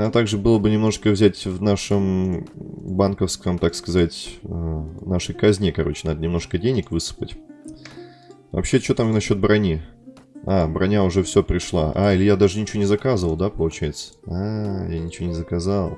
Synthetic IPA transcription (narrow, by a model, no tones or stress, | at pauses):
t̪aɡʐɨbɨlˠəbɨnʲɪmno̞ʂɨkəvzʲætʲvnaʂɨm | bankəfskəmt̪akskɐzatʲənaʂəjkɐzʲnʲekɐɾo̞̰t͡ɕɪnad̪ənʲɪmno̞ʂkədʲenʲɪkvɨsɨ̥pətʲ | vɐ̰pɕːet͡ɕot̪amnɐɕːo̞t̪̚bɾɐnʲi | abɾɐnʲaʊʐɛfsʲopɾʲɪʂlˠa̰ʔa̰ilʲɪjad̪aʐɨnʲɪt͡ɕɪvʲonʲɪzɐkazəvəlˠd̪apəlˠʊt͡ɕæjɪt̪sə̥ajanʲɪt͡ɕɪvʲonʲɪzəkɐzalˠ